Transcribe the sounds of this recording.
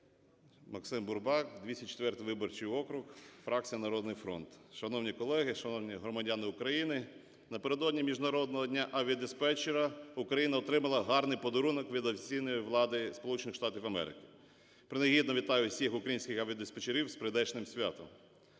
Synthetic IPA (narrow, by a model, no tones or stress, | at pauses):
mɐksɪmbʊrbɑkd̪ʲʋʲisʲɐt͡ʃe̥t̪ʋɛrt̪ɪjʋɪbɔrt͡ʃɪjɔkɾʊxfɾɑk̚t͡sʲijɐnɐɾɔd̪nɪjfɾɔ̰nt̪ʃɐnɔwnʲikɔlˠɛɦɪʃɐnɔwnʲiɦɾɔmɐdʲanɪʊkɾɐjinɪ | nɐpeɾe̞d̪ɔdʲnʲimʲiʒnɐɾɔd̪nɔɦɔdʲnʲaʔɐʋʲiɐd̪espɛt͡ʃeɾɐʊkɾɐjinɐɔt̪ɾɪmɐlˠɐɦɑrnɪjpɔd̪ɔɾunɔkʋʲid̪ɔfʲt͡sʲijnɔjʊʋlˠɑd̪ɪspɔlˠut͡ʃenɪxʃt̪ɑtʲiwɐmɛ̰ɾɪ̰kɪ̥ | pɾɪnɐɦʲid̪nɔʋʲit̪ɑjʊsʲixʊkɾɐjinʲsʲkɪxɐʋʲiɐd̪espet͡ʃeɾʲiwspɾɪd̪ɛt͡ʃnɪmsʲʋʲa̰t̪ɔm